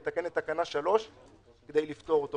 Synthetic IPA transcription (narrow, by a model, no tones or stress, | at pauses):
t̪ake̞netːakanaʃalo̞ʃ | ked̪ejlift̪o̞ʁot̪o